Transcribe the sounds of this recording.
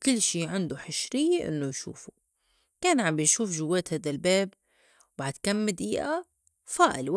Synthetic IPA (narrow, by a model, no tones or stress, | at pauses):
kɪlːʃiːʕɪnd̪uħɪʃɾɪjːeʔɪ̰nːʊjʃṵːfu | keːnʕambjʃuːfʒʊwːeːt̪haːd̪albeːb | wbaʕd̪kamːɪd̪ʔiːʔa | faːʔɪlw